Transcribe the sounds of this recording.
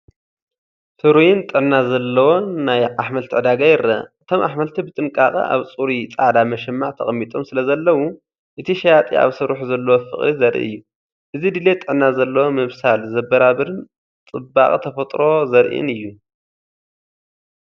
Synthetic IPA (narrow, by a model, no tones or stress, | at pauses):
sɨɾujɪnt̪ʼɨʕnːazɐlːɐwo̞nːajʔaħmɐlt̪ʰiʕɨd̪aɡajɪɾɐ̰ʔɨt̪ʰo̞mʔaħmɐlt̪ʰibɨt̪ʼɨŋkʼaqʼɐ̰ʔa̰βt͡sʼuɾit͡sʼaʕd̪amɐʃɛmːaʕt̪ʰɐ̰χʼɐmːit̪ʼʰo̞msɨlɐzɐlːɐwu | ʔɨt̪ʰiʃɐjat̪ʼḭa̰βsɨɾuħzɐlːɐwofɨ̰χʼɾizɐɾʔḭɨ̰jːu | ʔɨzid̪ɨlet̪ʼɨʕnːazɐlːɐwomɨβsalzɐbːɐɾaβɨɾɨn | t͡s̪ʼɨba̰χʼit̪ʰɐfɐt̪ʼɾo̞zɐɾʔḭnɨjːu